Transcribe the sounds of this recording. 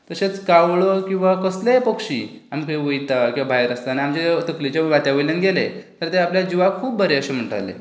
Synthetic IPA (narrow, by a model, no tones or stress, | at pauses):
t̪əɕet͡skaʋɭokĩw̃ʋakəsleepəkɕiːam̤ikʰiʋəjt̪akĩw̃ʋabʱajɾəst̪aaniamd͡ʑet̪əklit͡ɕaʋat̪jaʋələnɡelet̪əɾt̪eapljad͡ʑiʋakʰuːb̚bəɾeəɕem̤əɳʈə̰ʋlḛ